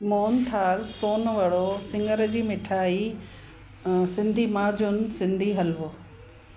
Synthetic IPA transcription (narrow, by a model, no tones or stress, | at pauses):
moːnt̪ʰaːlsoːnʋɐɽosɪ̃ŋɡəɾd͡ʑiːmɪʈʰaːi | sɪ̃nd̪ʱimaːd͡ʑʊn̆sɪ̃nd̪ʱiɦɐlʋoː